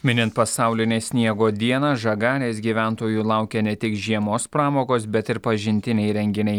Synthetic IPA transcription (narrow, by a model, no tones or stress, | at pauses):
mʲɪnʲɪnt̪pɐsɑˑʊlʲɪnʲeːsʲnʲiɛɡoːd̪ʲiɛnɐʒɐɡɑːlʲeːsɡʲiːʋʲæˑnt̪oːjuːlˠɑˑʊkʲɛnʲɛt̪ʲɪkʒʲiɛmoːspɾɑːmoːkoːsbʲɛt̪ɪɾpɐʒʲɪnʲt̪ʲɪnʲɛɪɾʲɛŋʲɡʲɪnʲɛɪ